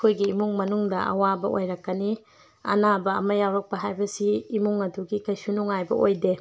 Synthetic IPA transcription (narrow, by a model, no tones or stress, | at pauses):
kʰojɡiːmuŋmɐnuŋdɐʔɐ̰wabɐʔo̰jɾɐkːɐni | ɐ̰nabɐɐ̰mɐjawɾɐk̚pɐɦajbɐsiːmuŋɐduɡikɐjsunuŋajbɐ̰ʔojde